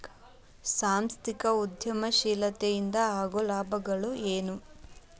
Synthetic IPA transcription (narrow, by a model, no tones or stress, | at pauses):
saːmst̪ikɐud̪ʱjɐmɐʃiːlɐt̪ejind̪ɐaːɡolaːbʱɐɡɐɭueːnu